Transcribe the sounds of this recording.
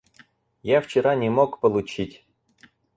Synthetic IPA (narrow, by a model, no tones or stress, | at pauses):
jaft͡ɕɪɾanʲɪmokpəlˠʊt͡ɕitʲ